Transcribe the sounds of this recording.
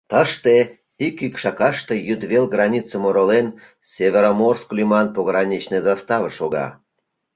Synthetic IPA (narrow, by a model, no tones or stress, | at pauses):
t̪əʃt̪e | ikikʃɑkɑʃt̪ejyd̪βelɣrɑnʲit͡səmoɾolen | sʲevʲeɾomorsklʲymɑnpoɣɾɑnʲit͡ɕnezɑst̪ɑvəʃoɣɑ̰